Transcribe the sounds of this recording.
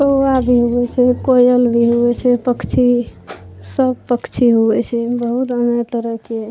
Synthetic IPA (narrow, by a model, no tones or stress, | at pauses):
t̪oabʱiɦuɛt͡ʃʰɛkojəlbʱiɦuɛt͡ʃʰɛpəkʰt͡ʃʰi | səbpəkʰt͡ʃʰiɦuɛt͡ʃʰɛbəɦut̪əneɡt̪əɾəke